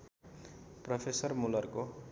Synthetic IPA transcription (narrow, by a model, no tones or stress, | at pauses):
prʌpʰesʌrmulʌrko